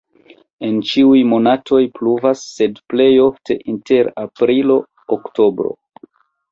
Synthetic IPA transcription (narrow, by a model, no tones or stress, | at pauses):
e̞nt͡ʃiujmo̞natʰo̞jpluvasːe̞dple̞jo̞ftʰe̞ʔinte̞ɾapɾilo̞ː | kto̞bɾo̞̰